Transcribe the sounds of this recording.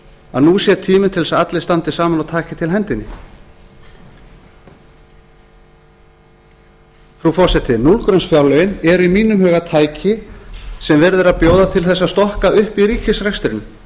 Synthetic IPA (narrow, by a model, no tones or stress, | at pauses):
a̰ðnusjɛt̪ʰiːmɪnt̪ʰɪlsaat̪lɪ̥st̪ant̪ɪsaːmanaðt̪ʰaːcɪt̪ʰɪlɦɛnt̪ɪnːɪ | fɾufɔr̥sɛht̪ɪnulkɾœnsfjawɾlœjɪnɛɾimiːnʏmɦœːɣat̪ʰaːjcʰɪsɛmvɛɾðʏɾaðpjoːwðat̪ʰɪlθɛsːast̪ɔhkaʏhpiɾiːcɪsrɛst̪ɾɪnʏm